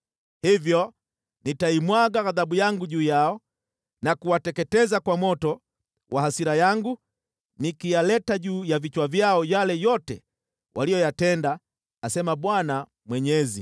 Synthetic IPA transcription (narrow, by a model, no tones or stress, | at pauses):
hivjɔ | nitaimwaɡaɣaðaɓujaŋɡuʄuːjaɔ | nakuwatɛkɛtɛzakwamɔtɔ | wʔahasiɾajaŋɡu | nikijalɛtaʄuːjavit͡ʃwavjaɔjalɛjɔtɛ | wʔalijɔjatɛndaː | sɛmaɓwana | mwɛɲɛzi